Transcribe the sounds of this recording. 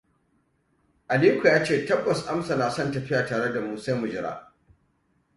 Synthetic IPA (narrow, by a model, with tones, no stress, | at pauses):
ʔa˨liː˦kʷu˨jaː˦t͡ʃeː˦˨tɐ˦bːɐ˨sʔa˦msa˨naː˨sɔ˦˨ntɐ˨ɸɪ˦jaː˨taː˨ɽe˦da˨mu˦sa˦mʊ˨d͡ʒɪ˦ɾa̰ː˦